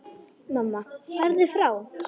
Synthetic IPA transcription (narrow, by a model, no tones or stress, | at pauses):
manːavɛɾðɪfɾaw